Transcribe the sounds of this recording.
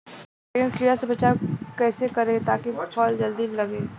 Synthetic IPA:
eːkɪnkɾijasebɐt͡ʃakɛːsekɐɾẽt̪aːkibʈfɔːld͡ʒɐld̪inlɐɡeː

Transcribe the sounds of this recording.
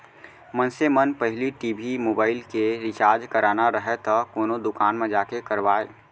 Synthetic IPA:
mənsemənpəɦɪliʈiːbʱimoːbaːɪlkeɾɪt͡ʃaːɾd͡ʒkəɾʔaːnaɾəɦet̪ɔkoːnod̪ʊkaːnmẽd͡ʒaːkekəɾʋaːe

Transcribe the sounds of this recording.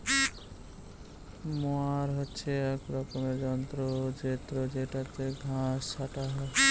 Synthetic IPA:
moaɾɦotːʃʰeɛkɾɔkomed͡ʒɔnt̪ɾod͡ʒet̪ɾod͡ʒeʈat̪eɡʱãst͡ʃʰaʈaɦɔ

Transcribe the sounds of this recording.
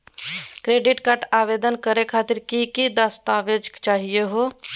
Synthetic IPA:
kɾeːɖɪʈkaɾʈaːʋeːd̪ənkəɾekʰaːt̪ɪɾkikid̪əst̪aʋed͡ʒkt͡ʃaːɦijeɦo

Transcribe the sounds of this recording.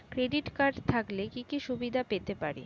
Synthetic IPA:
kɾeɖiʈkaɾɖt̪ʰaklekikiʃubid̪ʱapet̪epaɾḛ

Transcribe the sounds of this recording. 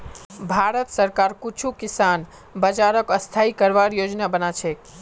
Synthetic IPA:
bʱaɾət̪səɾkaɾkut͡ʃʰukisan | bəd͡ʒaɾəkəst̪ʰaikəɾʋaɾjod͡ʒnabənat͡ʃʰe

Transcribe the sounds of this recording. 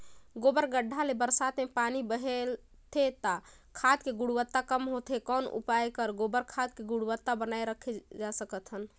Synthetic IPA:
ɡobəɾɡəɖʱːalebəɾsat̪mepanibəɦel | t̪ʰet̪a | kʰad̪keɡuɽuwət̪ːakəmɦot̪ʰekɔnṵpajkəɾɡobəɾkʰad̪̚keɡuɽwət̪ːabənajɾəkʰed͡ʒasəkət̪ɦən

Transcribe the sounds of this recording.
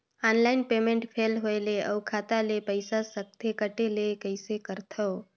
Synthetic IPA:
anlaɪnpemẽɳʈpʰelɦoeleəwkʰat̪alepəɪsasək̚t̪ʰekəʈelekəɪsekəɾt̪ʰə

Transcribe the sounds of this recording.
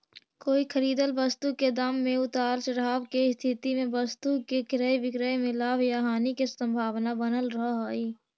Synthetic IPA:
koːikʰəɾiːd̪əlbəst̪uked̪amːẽʊt̪aːlt͡ʃəɽaːbkeɪst̪ʰɪt̪imẽbəst̪ukekɾəeʋɪkɾəjmɪlaːʋjaɦaːnikesə̃mbʱaːʋnabənəlɾɐɦaːiː

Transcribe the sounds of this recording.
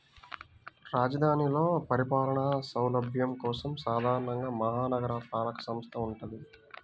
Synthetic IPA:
ɾaːd͡ʒɐd̪ʱaːnilo̞ːpɐɾipaːlɐɳɐsɐwlɐbʱjɐmkɔːsɐmsaːd̪ʱaːɾɐɳɐŋɡaːmɐɦaːnɐɡɐɾɐpɾaːlɐkɐ̥sɐmst̪ʰɐuɳʈund̪i

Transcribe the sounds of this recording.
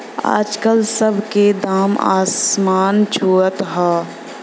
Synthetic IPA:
a̰ːd͡ʒkəlsəbʱked̪aːma̰ːsmaːnt͡ʃʰoːət̪ɦaː

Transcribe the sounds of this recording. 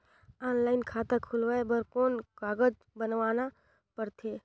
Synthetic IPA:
aːnlaːɪnkʰaːt̪akʰulʋaebəɾkoːnkaːɡəd͡ʒ | bənʋaːna | pəɾt̪ʰeː

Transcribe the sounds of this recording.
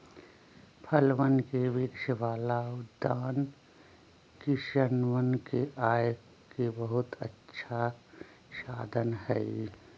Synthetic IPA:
pʰəlʋənkeʋɪkʃəʋaːlaʊd̪aːn | kiʃənʋənkeʔaːj | kebəɦʊt̪ətːʃʰa | ʃaːd̪ʱənɦɛi

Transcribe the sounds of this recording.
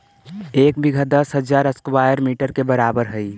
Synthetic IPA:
ekbiɡʱəd̪əsɦəd͡ʒaɾəskwajəɾmiʈəɾkebəɾabəɾɦəj

